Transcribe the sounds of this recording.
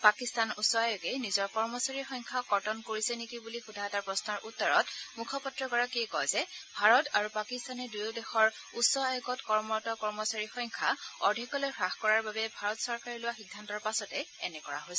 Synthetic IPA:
pakistanusɔajʊɡɛnizɔɹkɔɹmɔsaɹixɔjŋkʰakɔɹtɔnkoɹisɛnikibulixudʱataɹpɹɔsnɔɹʔutːɔɹɔtmukʰɔpɔtɹɔɡɔɹakikɔjzɛbʱaɹɔtaɹupakistanɛdujodɛxɔɹ | usɔajɔɡɔtkɔɹmɔtɔkɔɹmɔsaɹixɔjŋkʰa̰ɔɹdʱikɔlojxɹaxkɔɹaɹbabɛbʱaɹɔtsɔɹkaɹilʊwaxiɡdʱantɔɹpasɔtɛɛnɛkɔɹa̰ɦojsɛ

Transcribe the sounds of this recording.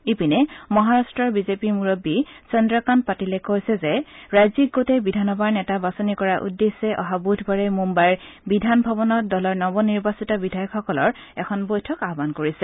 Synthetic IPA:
ipinɛmɔɦaɹastɹɔɹbizepimuɹobːisɔndɹakanpatilɛkojsɛzɛɹajzik̚ɡotɛbidʱanɔbadnɛtabasonikɔɹaʔṵdːesɛʔɔ̰ɦabudʱbaɹɛmumbajɹ | bidʱanbʱɔbɔnɔt̚dɔlɔɹnɔbɔniɹbasitɔbidʱajɔkʰːɔkɔlɔɹ | ɛkʰɔnbojtʰɔkaɔbankoɹisɛ

